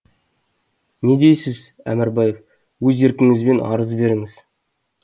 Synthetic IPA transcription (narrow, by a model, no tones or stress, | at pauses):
ne̞d̪e̞jsɪz | æ̰mɪɾbɑje̞f | wɵze̞ɾkʲɪŋɪzbe̞nɑ̰ɾəzbe̞ɾɪŋɪz̥